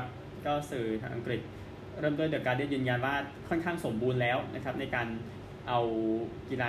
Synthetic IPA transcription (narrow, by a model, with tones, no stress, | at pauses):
p̚ | kɔː˥˩sɯː˨˩t͡ɕ̪ʰa̰ː˧ŋʔa̰˧ŋkɾi˨˩t̪̚ | ɾɤː˥˩md̪u˥˩t̪ɯ˨˩kːaː˧djɯː˧nja˧nwaː˥˩kʰɔ˥˩nkʰaː˥˩ŋso˩˦mbuː˧nlɛː˦˥wnʔa˦˥kʰa˦˥p̚na˧jkaː˧n | ʔa˧wki˧laː˧